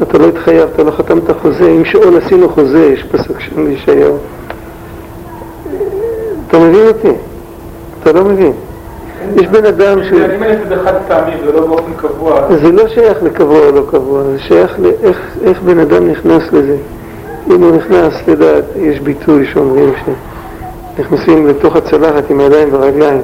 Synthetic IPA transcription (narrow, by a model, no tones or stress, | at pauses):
at̪alo̞it̪χajavat̪alo̞χat̪amt̪aχo̞zeimʃeolasinuχo̞zejeʃpasukʃemiʃaja | at̪ame̞vinoti | atalo̞mevin | jeʃbe̞nadamʃeimeefed̪eχad̪t̪amivzelobeofenkavuazelo̞ʃajaχlekavuaolo̞kavuazeʃajaχleʔeχeχbe̞nadamniχnasle̞ze̞ | imuniχnasledaːtjeʃbitʰujʃeo̞mʁimʃe | niχnasimleto̞χat͡salaχatimajadajimveʁaɡlaim